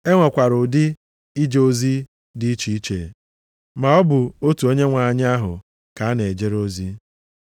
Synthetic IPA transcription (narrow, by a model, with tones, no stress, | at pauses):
e˦ŋʷa˨kʷa˨ɾʊ˨dɪ˦ | i˦d͡ʒe˨o˦zi˦ | dɪ˦i˦t͡ʃi˨i˦t͡ʃe˨ | ma˨ɔ˦bʊ˨o˦tu˨o˦ɲe˦ŋʷa˨a˨ɲ˦a˦ɦʊ̰˨ | ka˨a˦ne˨e˨d͡ʒe˦ɾo˦zi˦